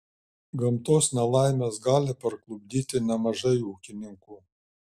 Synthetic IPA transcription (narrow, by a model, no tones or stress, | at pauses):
ɡɐmt̪oːsnʲɛlˠɑˑɪmʲeːsɡɑːlʲɪpɐɾklˠʊbʲd̪ʲiːt̪ʲɪnʲɛmɐʒɐɪuːkʲɪnʲɪŋkuː